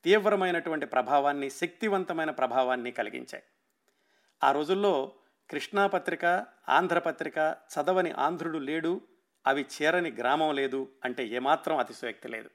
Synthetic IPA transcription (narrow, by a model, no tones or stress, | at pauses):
t̪iːʋɾɐmɐjnɐʈuʋɐɳʈipɾɐbʱaːʋaːnːiʃek̚t̪iʋɐnt̪ɐmɐjnɐpɾɐbʱaːʋaːnːikɐlḭɡḭɲt͡ʃa̰ːji | aːɾo̞ːd͡ʒulːo̞ː | kɾiʂɳaːpɐt̪ɾikɐ | a̰ːnd̪ʱɾɐpɐt̪ɾikɐt͡ʃɐd̪ɐʋɐnḭʔa̰ːnd̪ʱɾuɽule̞ːɽu | ɐʋit͡ʃɛːɾɐniɡɾaːmɐmle̞ːd̪uɐɳʈe̞ːɛːmaːt̪ɾɐmɐt̪isʋek̚t̪ilḛːd̪u